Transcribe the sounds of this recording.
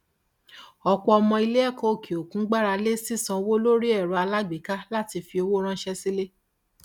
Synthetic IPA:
ɔ˧k͡pɔ˧ɔ˧mɔ̃˧i˧le˦ɛ˦˨kɔ̃˨˦o˨ki˨o˨kũ˨˦ɡ͡ba˦ɾa˧le˦si˦sã˧wo˦lo˦ɾi˦ɛ˦˨ɾu˨˦a˧la˦ɡ͡be˨ka˦la˦ti˧fi˧o˧wo˦ɾ̃ã˦ʃɛ˦si˦le˦

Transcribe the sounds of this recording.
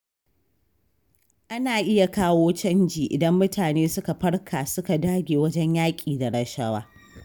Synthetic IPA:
ʔa˦naː˨ʔɪ˦ja˨kaː˦woː˦t͡ʃɐ˦nd͡ʒiː˨ʔɪ˨dɐ˦mːʊ˦tʰaː˨neː˦sʊ˦ka˨ɸɐ˦ɽkʰaː˨sʊ˦ka˨daː˦ɡʲeː˨wɐ˦d͡ʒɛ˦ɲjaː˦kʲʼiː˨da˨ɽɐ˦ʃɐ˦wa̰ː˦

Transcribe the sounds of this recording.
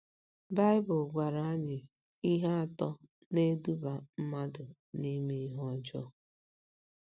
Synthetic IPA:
ba˦ɪ˦bʊ˨lɡʷa˨ɾa˨a˦ɲɪ˨ | i˦ɦa˦a˨tɔ˦ | ne˦du˦ba˨m̩˦ma˦dʊ˨ | ni˦mi˦ɦɔ˦˨d͡ʒɔ̰˦

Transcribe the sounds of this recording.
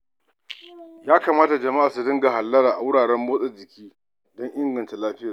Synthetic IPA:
jaː˦kaː˨maː˦ta˨d͡ʒɐ˨ma˦ʔaː˨su˨dɪ˦ŋɡa˨ha˨lːɐ˦ɾaː˨ʔa˨wʊ˦ɽaː˨ɽɛ˦mːoː˦sʼɛ˨d͡ʒɪ˨kʲiː˦ | dɔ˦ŋʔɪ˦ŋɡɐ˨nta˨laː˦ɸɪ˦ja˨

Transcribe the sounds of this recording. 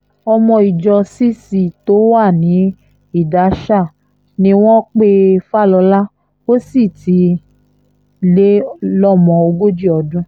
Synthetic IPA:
ɔ˧mɔ̃˧i˨d͡ʒɔ˧si˦si˨to˨˦wa˦˨nĩ˨˦ | i˦˨da˨˦ʃa˦˨ | nĩ˧˦w̃ɔ̃˦k͡pe˦fa˦˨lɔ˧la˦ | o˦si˦˨ti˨˧ | le˦lɔ˦mɔ̃˨o˧ɡo˦d͡ʒi˦ɔ˧dũ˧˦

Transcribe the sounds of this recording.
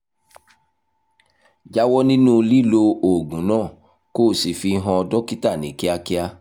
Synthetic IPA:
d͡ʒa˦wɔ˦nĩ˦nũ˦˧li˦lo˧o˨ɡũ˨˦nãː˦˨ | koː˦˨si˨fi˧ɦã˧ɔ˧dɔ˦ki˦ta˦˨nĩ˨˦ki˦a˧ki˦a˧

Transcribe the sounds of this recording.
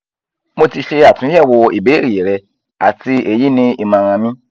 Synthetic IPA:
mo˧ti˧ʃe˧a˨tũ˨˦ɛ˦˨wɔ˧i˨be˨˦ɾi˨e˨ɾɛ˧ | a̰˨ti˧e˦˨ji˨˦nĩ˧i˧mã˨˧ɾã˧mĩ˦

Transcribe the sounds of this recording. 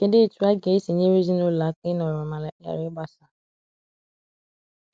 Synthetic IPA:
ke˨de˦˨tu˦a˦ɡe˨˦se˨ɲẽ˦ɾi˦zi˦no˦la˨˦k͡pe˦nɔ̃˨ɔ˨mã˨la˨˦a̰˨ɾɪ˦ba˦sa˨

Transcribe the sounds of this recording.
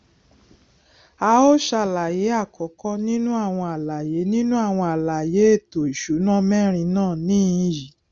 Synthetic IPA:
a˧˦o˦ʃa˧˨la˨je˨˦a˦˨kɔ˨˦kɔ˦nĩ˦nũ˦a˦˨w̃ɔ̃˧a˨la˨je˨˦nĩ˦nũ˦a˦˨w̃ɔ̃˧a˨la˨je˨˦e˦˨to˨i˨ʃu˨˦nã˦mɛ˦ɾ̃ĩ˧nãː˦˨nĩ˦˧˦ji˨

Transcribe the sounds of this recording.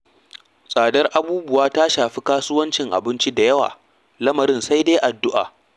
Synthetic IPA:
sʼaː˨dɐ˦rʔa˨buː˦bʊ˦˨waː˦taː˦ʃaː˨ɸi˦kaː˦sʊ˦wɐ˦nt͡ʃɪ˨ŋʔa̰˨bɪ˦nt͡ʃi˦da˨jɐ˦wa̰ː˨ | lɐ˦mɐ˨ɾɪ˦˨nsa˦jdeː˦jʔa˨dːʊ˦ʔa̰ː˨

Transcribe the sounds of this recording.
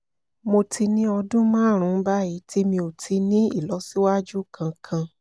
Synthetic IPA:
mo˧tʰi˧nĩ˦ɔ˧dũ˦mãː˦˨ɾ̃ũ˦ba˦ji˨˦ti˦mĩ˧o˨tʰi˧nĩ˦i˦˨lɔ˨˦si˦wa˦d͡ʒu˦˨kʰã˧kʰã˧

